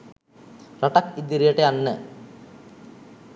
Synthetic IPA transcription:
rɐʈɐkid̪ːiɾijɐʈːeɐnːɨ

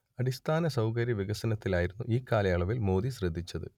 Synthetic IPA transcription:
ɐɽist̪ʰaːnɐsɐwkɐɾjɐʋiɡɐsɐnɐt̪ːilaːjiɾunːuʔiːkːaːlɐjaɭɐʋilmo̞ːðiɕrɐd̪ʱːit͡ɕːɐðɨ̰

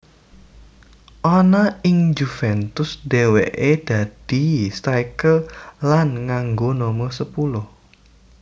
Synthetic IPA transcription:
ʔɔnaɪŋd͡ʒufɛnt̪ʊsd̥eweʔed̥a̤d̥ist̪aikəllanŋaŋɡonoməsəpulʊh

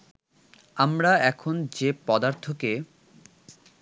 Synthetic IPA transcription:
amɾaɛkʰond͡ʑepɔd̪aɾt̪ʰoke

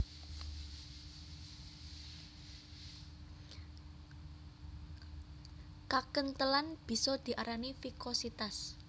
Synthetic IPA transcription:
kakənt̪əlanb̥i̤sɔd̪̥i̤ʔaɾanifikɔsit̪as

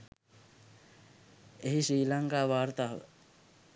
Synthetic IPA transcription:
eɦisiːlãŋkaʋaːɾt̪aɦe

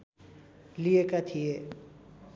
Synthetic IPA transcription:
lijekat̪ʰije

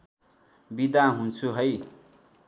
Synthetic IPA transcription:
bid̪aɦunt͡sʰuɦʌj

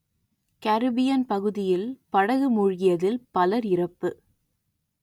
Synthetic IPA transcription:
kɐɾbɪjɐnpɐɣɯðɪjɪlpɐɽɐɣɯmʊɻɣɪjɐðɪlpɐlɐɾɪrɐpːɯ

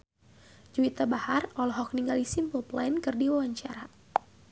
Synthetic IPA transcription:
d͡ʒuit̪abaharɔlɦɔk̚niŋɡalisimpɔplajnkɨrdiwawaɲt͡ʃaɾa

